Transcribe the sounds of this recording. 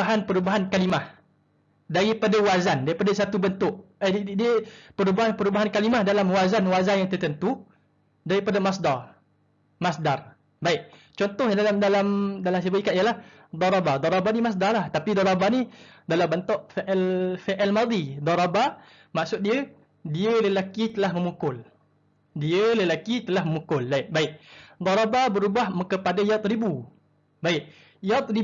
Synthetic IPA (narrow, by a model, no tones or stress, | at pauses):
aɦanpəɾubaɦankalimah | daɾipadawazandaɾipadasat̪ubənt̪ʊʔ | dpəɾubaɦanpəɾubaɦankalimahdalamwazanwazanjaŋt̪ərt̪ənt̪u | daɾipadamasdar | masdar | baɪk̚ | t͡ʃɔnt̪ɔhdalamdalamdalams̬ibaikat̪ʔijəlah | d̪ɑɾabad̪ɔɾabanimas̬darlaht̪apid̪ɔɾabanidalambant̪ɔʔfeʔɛlfeʔɛlmad̪id̪ɔɾaba | maʔsʊt̪̚diə | diələlakit̪əlahməmukʊl | diələlakit̪əlahməmukʊlbaɪʔ̚baɪʔd̪ˤɔɾababəɾubahməkəpadajat̪̚ɾibu | baɪʔ | jat̪̚ri